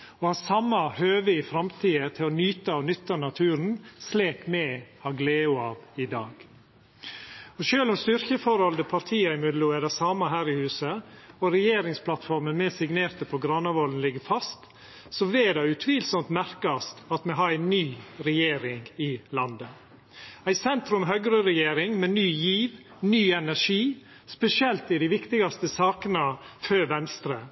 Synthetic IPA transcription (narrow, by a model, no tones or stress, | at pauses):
ɔhɑːsɑmːɑhøːʋəɪfɾɑmt̪ʰiːət̪ʰɪlɔnyːt̪ɑɔnʏt̪ːənɑt̪ʰʉːɾnsleːkmɛhɑɡleːʊɑːʋɪd̪ɑːɡ̥ | ɔʃøːlɔmst̪ʏɾkəfɔɾɔld̪əpʰɑɾt̪ʰiːɑɪmʉd̪luædɛsɑːmɑɦæːɾɪhʉːsəɔɾɛjeːɾɪŋsplɑt̪fɔɾmənmɛsɪɡneːɾt̪əpʰɔɡɾɑnːɑʋɔlən̩lɪɡəɾfɑst̪ | sɔʋeːd̪ɑʉt̪ʰʋiːlsɔmt̪mæɾkɑst̪ɑt̪mɛɦɑɾæɪnyːɾɛjeːɾɪŋɪlɑnd̪ə | æɪsɛnt̪ɾʉmɦœɡɾəɾɛjeːɾɪŋmɛnyːjiːʋ | nyːɛnæʂiː | spɛsɪɛlt̪ɪd̪ɪʋɪkt̪ɪɡɑst̪əsɑːkənɑføʋɛnst̪ɾə